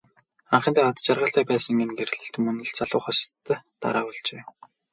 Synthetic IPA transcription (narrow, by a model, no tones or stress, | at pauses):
aɴχə̆nt̪æːɔt̪t͡ɕarʁə̆ɬt̪æːpæːsə̆ŋɡenɡer̆ɮɘ̆ɬt̪ɵ̆mɵnɘ̆ɮt͡saɮʊːχɔst̪ːt̪a̰ɾaːpɔɮt͡ɕeː